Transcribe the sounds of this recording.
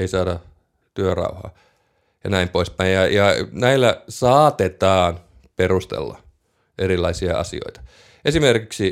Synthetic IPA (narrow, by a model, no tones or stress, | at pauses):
eisɑːdɑ | t̪yørɑ̰uhɑ̰ː | jɑnæimpoispæijjɑjɑnæilːæsɑːt̪et̪ɑːn | perust̪ḛlːɑ̰ | ʔerilːˑɑisiɑ̰ɑ̰sḭo̰it̪ɑ̥ | ʔesimerkiksi